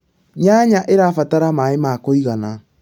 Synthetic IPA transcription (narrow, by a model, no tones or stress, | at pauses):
ɲaɲaʔeɾafataɾamaemakoiɣana